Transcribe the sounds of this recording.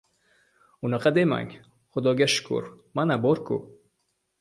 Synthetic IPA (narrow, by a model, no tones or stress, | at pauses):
unaqad̪ema̰ŋ | χʊd̪ɔɡʲaʃʊ̥kṵɾ | manabɔɾkṵ